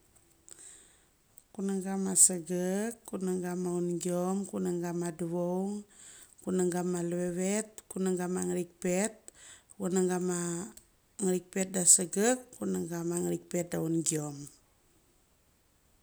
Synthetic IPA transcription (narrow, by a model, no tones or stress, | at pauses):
kunəŋɡamasəɡəkːunəŋɡamaund͡ʒɔmkunəŋɡamaduwowŋkunəŋɡamalwewɛt̪̚kunəŋɡamaŋɾik̚pɛt̪̚ | wənəŋɡama | ŋɾik̚pɛt̪̚dasəɡəkːunəŋɡamaŋɾik̚pɛt̪̚daund͡ʒɔm